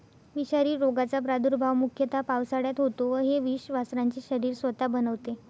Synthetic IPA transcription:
ʋiɕaɾiːɾoɡat͡sapɾad̪uɾbʱaʋmukʰjət̪ʰapaʋsaɽjat̪ɦot̪oʋəɦeʋiɕʋasɾãɲt͡ɕiːɕəɾiːɾsʋət̪abənəʋt̪e

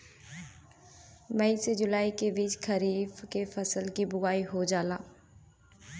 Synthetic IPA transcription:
mɐised͡ʒʊlaːikebiːt͡ʃkʰɐɾiːfkefɐsəlkibʊɣaːiɦod͡ʒaːlaː

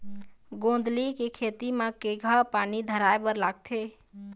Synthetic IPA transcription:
ɡõn̆d̪likekʰet̪imãkeɡʱəpanid̪ʱəɾaebəɾlaɡ̚t̪ʰe

